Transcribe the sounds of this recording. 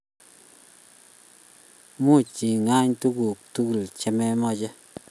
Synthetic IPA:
mu˦˨t͡ʃi˨ŋa˦ɲtu˦ku˨k̚tu˦ku˨lt͡ʃɛ˦mɛ˦mɔ˦t͡ʃɛ˦

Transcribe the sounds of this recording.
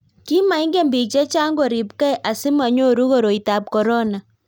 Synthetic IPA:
ki˦ma˨i˦ŋɡe˦mbi˨t͡ʃe˦t͡ʃa˦ŋɡo˨ɾi˨p̚ka˦ɛ˨ʔa˨sɪ˦ma˨ɲo˦˨ɾu˦ɣo˦ɾo˨i˨ta˨p̚kɔ˨ɾɔ˦na˨

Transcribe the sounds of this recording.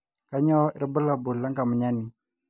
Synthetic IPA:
ka˦ɲɔ˦ɾbə˦la˨bu˨la˦ŋka˨mə˨ɲa˦ni˨

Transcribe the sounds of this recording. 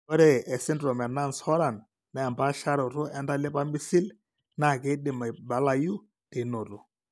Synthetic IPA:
ɔ˦ɾɛ˨ʔɛ˨sɪ˦ndɾɔ˨mɛ˨na˦˨nshɔ˦ɾa˨n | mɛ˨a˨mba˦ʃa˦ɾɔ˨ɾʊ˦ɛ˦nda˦lɪ˦pa˦mi˦si˦l | na˦˨ke˨˦dɪ˨ma˨ba˨la˨ju˦ | tɪ˨˦no˨tu˨

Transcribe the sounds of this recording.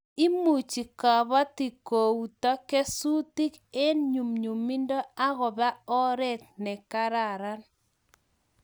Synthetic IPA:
i˦mu˨t͡ʃi˨ka˨βa˦ti˨ko˨u˨tɔ˦kɛ˦su˦ti˦ke˦nɲu˨mɲu˨mi˦ndɔ˦a˦ɣɔ˨ba˦ɔ˦ɾɛ˦t̪̚nɛ˨ka˦ɾa˨ɾa˦n

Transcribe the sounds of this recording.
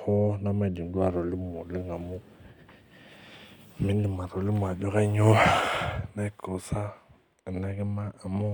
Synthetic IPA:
hɔ˦na˦ma˦˨di˨n˨da˨ɾɔ˨lɪ˦m˨ʊ˨lɪ˦ŋa˨mʊ˦˨ | mɪ˦ndi˨ma˨ɾo˨lɪ˦m˨a˨d͡ʒo˦ka˦ɲo˦˨na˦ko˨sa˦˨ | na˦kɛ˦maː˦˨mɔ˦

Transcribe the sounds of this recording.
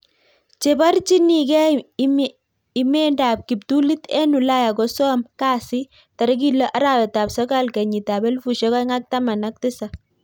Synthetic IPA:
t͡ʃe˨ba˦rt͡ʃi˦ni˨kɛ˦m | ɪ˨me˦nda˨p̚ki˨p̚tu˦li˦tɛ˦nu˨la˦ja˨kɔ˨sɔ˦mkaː˦sɪ˦ | ta˨ɾɛ˦k̬i˦˨lɔ˦ʔa˦ɾa˨wɛ˨ta˨psɔ˦ka˦lkɛ˨ɲi˨ta˨bɛ˦lfu˨ʃe˦kɔ˦ŋa˦k̚ta˦ma˨na˦k̚tɪ˦sa˨

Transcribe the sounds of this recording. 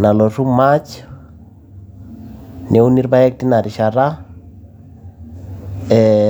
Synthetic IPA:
na˨lɔ˨ru˦mat͡ʃ | nɛ˦u˦ni˦ɾba˦ɛ˦k̚ti˦na˨ɾi˨ʃaɾa˦ | ɛ

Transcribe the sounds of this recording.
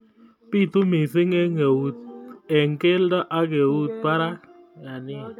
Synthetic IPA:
pi˦˨tu˦mɪ˨sɪ˦ŋɛ˦ŋe˨u˨t̪̚ɛ˨ŋke˦lda˦ʔa˦kɛ˨u˦t̚pa˦ɾa˦ | ja˨nɪ˦

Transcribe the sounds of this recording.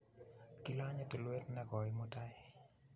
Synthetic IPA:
ki˦la˦ɲe˦te˨lwe˦tnɛ˦ɡɔ˨ɾɪmo˦ta˦j

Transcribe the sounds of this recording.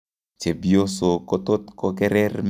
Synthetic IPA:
t͡ʃe˨bjo˦so˨ko˦t̪o˦t̪ko˦kɛ˦ɾɛ˦rm

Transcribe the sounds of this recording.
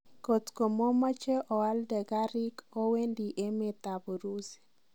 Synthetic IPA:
ko˨t̪ko˨mɔ˦ma˦t͡ʃɛ˦ʔɔ˨wa˦ldɛ˨ɡa˦ɾɪ˦ko˦we˦ndi˨ʔe˦me˦t̪a˨bo˨ɾu˦s

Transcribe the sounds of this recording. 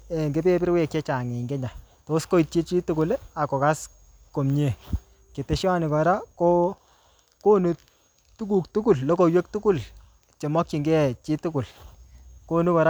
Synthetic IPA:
e˨ŋɡe˦pe˦pɪ˦ɾwe˦kje˦t͡ʃa˨ŋe˨ŋɡe˦ɲa˨ | to˨˦sko˦i˨t̚t͡ʃi˦t͡ʃi˦tu˦ku˨la˨kɔ˨ka˦s | ko˨mɲe˨ | ke˨te˨ʃa˦nɪ˨kɔ˨ɾa˦ko˦ | ko˦nu˨ | tu˦k̬u˨k̚tu˦ku˨llo˦ko˨jwe˦k̚tu˦ku˦l | t͡ʃe˨mɔ˦kt͡ʃi˨ŋɡɛ˦t͡ʃi˦tu˦ku˨l | ko˦nu˦kɔ˨ɾa˦

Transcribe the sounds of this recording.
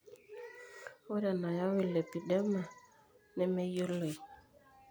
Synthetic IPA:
o˦ɾa˨na˨ja˦wi˦˨le˨pi˨dɛ˦ma˨ | nɛ˦me˦jo˦le˨

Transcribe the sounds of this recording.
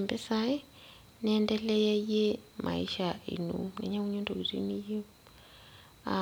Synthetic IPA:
mbɛ˦sa˦jɛ˦ | nɛndɛ˦lɛ˦jɛ˦je˦mʔa̰˨ḭ˦ʃaḭ˨nṵnɛ̰˨ɲa˦wu˦ɲo˦ndo˨ɡi˨rḭ˦ni˦ji˦ | a

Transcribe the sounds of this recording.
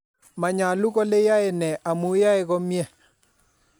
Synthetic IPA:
ma˨ɲa˨lu˦ɣɔ˦le˦ja˦e˨nɛ˨ʔa˨mu˦ja˦e˦ɣɔ˦mjɛ˦˨

